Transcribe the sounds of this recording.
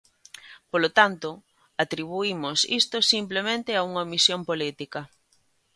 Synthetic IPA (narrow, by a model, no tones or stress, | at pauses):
polot̪ant̪ʊ | at̪ɾiβuimʊsḭst̪osimplemẽnt̪ɪauŋɐmisjompolit̪ikɐ